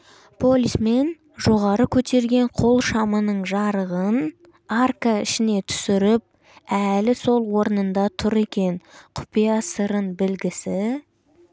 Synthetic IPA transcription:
pʰo̞lʲisme̞n | ʒoʁɑɾəkʲʰɵt̪ʰe̞ɾɡʲe̞ɴqʰo̞lˠʃɑmənəɴʒɑɾəʁən | arkaɪ̰ʃɪne̞t̪ʰʏ̥sɪɾɪp̚ | ælɪso̞lˠwo̞ɾənənd̪ɑt̪ʰʊɾe̞kʲe̞ɴqʰʊ̥pijɑsəɾənbɪlɡʲɪsɪ

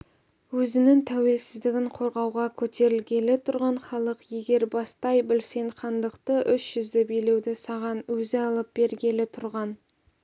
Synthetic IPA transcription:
wɵzɪnɪŋt̪ʰæwe̞lsɪzd̪ɪɡʲɪɴqʰo̞ɾʁɑwʁɑkʲʰɵt̪e̞ɾɪlɡʲe̞lɪt̪ʰʊɾʁɑɴχɑlˠəqje̞ɡʲe̞ɾbɑst̪ɑjbɪlse̞ɴχɑnd̪əqt̪əʔʏsʒ̥ʏzd̪ɪbejle̞wd̪ɪsɑʁɑnwɵzɪɑlˠəp̚b̥e̞ɾɡʲe̞lɪt̪ʰʊɾʁɑn

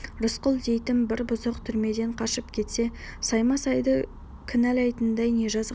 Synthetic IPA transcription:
ɾʊsqʊlˠd̪e̞jt̪ɪmbɪɾbʊzəqt̪ʰʏɾme̞d̪e̞ɴqʰɑʃəpkʲʰe̞t̪se̞ | sɑjmɑsɑjd̪ə | kʲʰɪnælɑjt̪ənd̪ɑjne̞ʒɑz

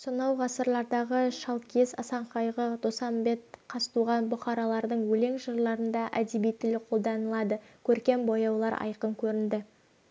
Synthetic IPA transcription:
sonɑwʁɑsəɾlˠɑɾd̪ɑʁəʃɑlˠkʲʰe̞sɑ̰sɑɴqɑjʁəd̪̥osɑmbe̞t̪qʰɑst̪uʁɑnbʊqɑɾɑlˠɑɾd̪əɴwɵle̞ŋʒəɾlˠɑɾənd̪ɑʔæd̪ebijt̪ːɪlɪqʰo̞lˠd̪ɑnəlˠɑd̪əkʲʰɵɾkʲe̞mbojɑwlˠɑɾɑ̰jqəŋkʲʰɵɾɪnd̪ɪ

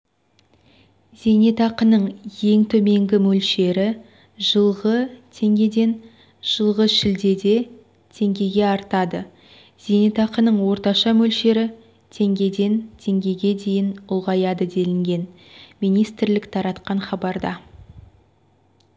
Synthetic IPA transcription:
z̥e̞ne̞t̪ɑqənəɴje̞ŋt̪ʰɵme̞ŋɡʲɪmɵlʃe̞ɾɪ | ʒəlˠʁət̪ʰe̞ŋɡʲe̞d̪e̞n | ʒ̥əlˠʁəʃɪld̪e̞d̪e̞ | t̪ʰe̞ŋɡʲe̞ɡʲe̞ɑɾt̪ɑd̪ə | z̥ene̞t̪ɑqənəɴwo̞ɾt̪ɑʃɑmɵlʃe̞ɾɪ | t̪ʰe̞ŋɡʲe̞d̪e̞nt̪ʰe̞ŋɡʲe̞ɡʲe̞d̪e̞jɪnʊlˠʁɑjɑd̪əd̪e̞lɪŋɡʲe̞n | mijnijst̪ɪɾlɪkt̪ʰɑɾɑt̪qɑɴχɑbɑɾd̪ɑ

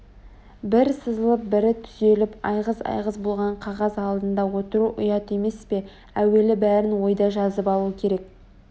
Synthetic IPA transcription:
bɪɾsəzəlˠəp̚bɪɾɪt̪ʰʏze̞lɪpɑ̰jʁəsɑ̰jʁəsbolˠʁɑɴqʰɑʁɑzɑlˠd̪ənd̪ɑwo̞t̪əɾuʔʊjɑt̪eme̞spe̞ | æwe̞lɪbæɾɪnwo̞jd̪ɑʒɑzəpɑlˠuəkʲʰe̞ɾe̞k̚

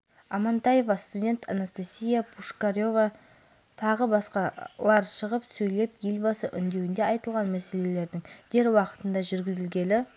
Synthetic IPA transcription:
ɑmɑnt̪ɑjevɑst̪udʲe̞nt̪ʰɑ̰nast̪asʲijapʰuʂkaɾjo̞vɑ | t̪ʰɑʁəbɑsqɑlˠɑɾʃəʁəpsɵjle̞pjelbɑsəʔʏnd̪e̞wɪnd̪eɑjt̪əlˠʁɑnmæse̞le̞le̞ɾd̪ɪŋd̪̥e̞ɾwɑqə̥t̪ənd̪ɑʒʏɾɡʲɪzɪlɡʲe̞lɪ

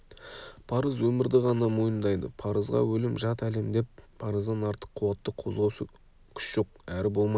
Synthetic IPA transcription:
pʰɑɾəzwɵmɪɾd̪ɪʁɑnɑmo̞jənd̪ɑjd̪ə̰pʰɑɾəzʁɑ̰wɵlɪmʒɑt̪æle̞md̪e̞pːʰ | ɑɾəzd̪ɑnɑɾt̪ə̥qʰːʊwɑt̪ːəqʰo̞zʁɑwʃə | kʲʰʏ̥ʃʒ̥o̞qæɾɪbo̞lˠmɑj

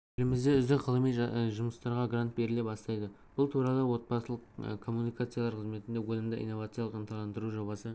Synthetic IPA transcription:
ɪlɪmɪzd̪e̞ʏzd̪ɪkqʰəlˠəmijʒʊməst̪ɑɾʁɑɡrant̪̚be̞ɾɪlep̚bɑst̪ɑjd̪ə | b̥ʊlˠt̪ʰuɾɑlˠəwo̞t̪̚pɑsəlˠəqkʰo̞mːunijkat̪sɨjalˠɑɾqʰəzme̞t̪ɪnd̪ewolɪmd̪ɪʔḭjnːo̞vat̪sɨjɑlˠəqənt̪ɑlˠɑnd̪əɾuʒo̞bɑsə

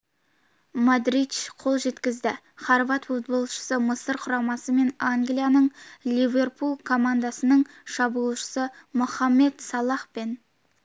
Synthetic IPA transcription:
mad̪ɾid̪ʃqʰo̞lˠʒe̞t̪kʲɪzd̪ɪ | χɑɾvɑt̪wot̪̚bəlˠʃə̥səməsəɾqʰʊɾɑmɑsəme̞naŋɡlijanəɴlʲivʲe̞rpulˠkʰo̞mand̪asənəɴ | ʃɑbulˠʃə̥səmʊχɑmːe̞d̪sɑlˠɑχpe̞n

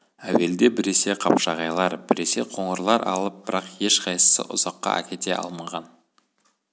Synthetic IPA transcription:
æwe̞ld̪e̞bɪɾe̞se̞qʰɑpʃɑʁɑjlˠɑɾbɪɾe̞se̞̰qʰo̞ɴəɾlˠɑɾʔɑ̰lˠəp̚b̥ɪɾɑqje̞ʃqʰɑjsə̥sə̰ʔʊz̥ɑqːɑ̰ʔæ̰kʲe̞t̪e̞ʔɑ̰lˠmɑʁɑn

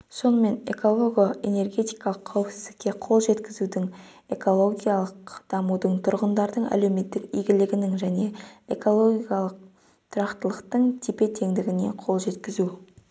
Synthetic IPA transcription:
so̞nəme̞ne̞ko̞lˠo̞ɡʲoene̞ɾɡʲe̞t̪ijkɑlˠəqʰːɑwəpsɪzd̪ɪkʲːe̞qʰo̞lˠʒe̞t̪kʲɪzud̪ɪŋ | e̞ko̞lˠo̞ɡʲijalˠəqd̪̥ɑmud̪əɴt̪ʰʊɾʁənd̪ɑɾd̪əɴæ̰le̞wme̞t̪ːɪkijɡʲɪlɪɡʲɪnɪŋʒæne̞e̞ko̞lˠo̞ɡʲijalˠəq̚ | t̪ʰʊɾɑqt̪əlˠəqt̪əɴt̪ʰipe̞t̪ʰe̞ŋd̪ɪɡʲɪne̞̰qʰo̞lˠʒe̞t̪kʲɪzu

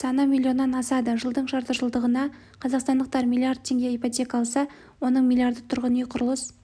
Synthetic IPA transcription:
sɑnəmʲilʲˠːio̞nːɑnɑsɑd̪əʒəlˠd̪əɴʃɑɾt̪əʒəlˠd̪əʁənɑ | qʰɑzɑqst̪ɑnd̪əq̚t̪ɑɾmʲilʲˠijard̪̚t̪ʰe̞ŋɡʲe̞ijpot̪ʲʰe̞kɑɑlˠsɑ | wo̞nəɴmʲilʲˠiaɾd̪ət̪ʰʊɾʁənijqʰʊɾəlˠəs

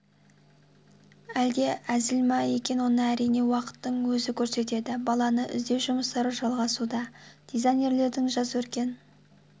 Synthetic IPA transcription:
æld̪e̞ʔæzɪlmɑje̞kʲe̞nwo̞nəæɾijne̞wɑqə̥t̪ːəɴwɵzɪkʲʰɵɾse̞t̪̬e̞d̪ɪbɑlˠɑnəʔɪ̰zd̪e̞wʒʊməst̪ɑɾəʒɑlˠʁɑsud̪ɑd̪̥ezajnʲe̞ɾle̞ɾd̪ɪŋʒɑzəwɵɾkʲe̞n

